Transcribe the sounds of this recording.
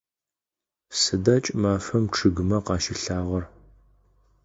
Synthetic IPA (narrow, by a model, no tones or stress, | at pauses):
sɨdɐt͡ʃʼmaːfɐmʈ͡ʂʰɨɡɨmɐqɑːʃɪɬaːʁɐr